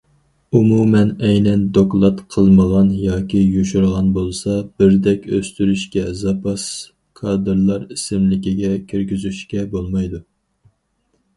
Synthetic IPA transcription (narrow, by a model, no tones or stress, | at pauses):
umumɛnɛjnɛnd̪oklˠɑt̪qʰəlˠməʁɑnjɑːkʲʰijoʃuɾʁɑnbolˠsɑb̥ɪɾd̪ɛkʲø̰st̪yɾyʃkʲɛzɑpʰɑs | kʰɑːd̪ɨɾlˠɑɾisɪmlɪkʲiɡʲɛkʲʰøɾɡʲyzyʃkʲɛbolˠmɑjd̪u